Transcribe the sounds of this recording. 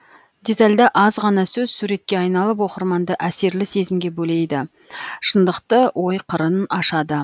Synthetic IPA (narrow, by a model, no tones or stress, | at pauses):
d̪e̞t̪ɑlʲd̪ɑʔɑzʁɑnɑsɵzsuɾe̞t̪̚kʲe̞ɑjnɑlˠəp̬wo̞qəɾmɑnd̪əʔæse̞ɾlɪse̞zɪmɡʲe̞bɵle̞jd̪ɪ | ʃənd̪əqt̪əwʔo̞jqʰəɾənɑʃɑd̪ə